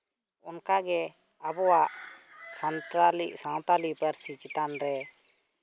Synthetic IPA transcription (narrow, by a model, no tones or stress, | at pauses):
ɔnkaɡɛ | abɔwaʔsant̪ɾaliʔsãw̃t̪alipəɾsit͡ʃit̪anɾɛ